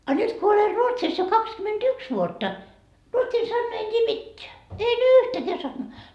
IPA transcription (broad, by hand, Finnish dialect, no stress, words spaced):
ɑ nyt ko oler ruotsis jo kɑkskymend̥yks ʋuotːɑ ruotsin sɑnːɑː en tʲiː mitːeæ en yːhtækæː sɑnːɑː